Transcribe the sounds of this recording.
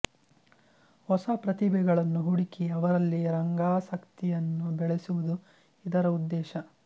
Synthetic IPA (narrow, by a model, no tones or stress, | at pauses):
hɔsɐpɾɐt̪ibɛɡɐɭɐnːuɦuɽikiɐʋɐɾɐlːiɾɐŋɡaːsɐkt̪ijɐnːubɛɭesuʋud̪u | id̪ɐɾɐud̪ːɛːʃɐ